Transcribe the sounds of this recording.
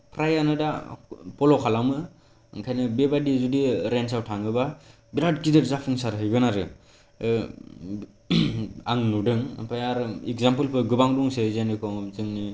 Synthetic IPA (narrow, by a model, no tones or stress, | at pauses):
pʰɾajanɯdapʰɔlɔkʰalamɯ | ŋkʰajnɯbebadizudiɾens̬awtʰaŋɯba | biɾadkidɯɾzapʰɯŋsaɾɦɯjɡɯnaɾɯ | a̰ŋnudɯŋpʰajaɾikzampɯlpʰɯɡɯbaŋduŋsezenɯkʰɔŋzɯŋni